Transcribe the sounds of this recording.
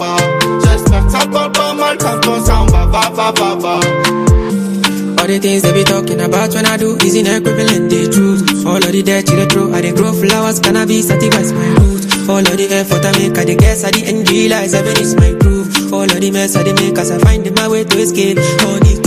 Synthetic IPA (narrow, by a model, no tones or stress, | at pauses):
d͡ʒɛsatabɔbɔmaltatɔsãʊ̃bababababa | ɔɾet̪ĩŋsdebitɔkĩnabatwɛnaduizĩnekemẽlɛ̃ndetɾuɔlɔdidɛt͡ʃiɾetɾoʔadeɡɾoflawaskãnabisatifajsmajɾutɔlɔdiɛfɔtamekadekɛsadiʔɛ̃nd͡ʒilajsabenismajkɾufɔlɔdimesadimekasafãɪ̃ndemawetoesketɔni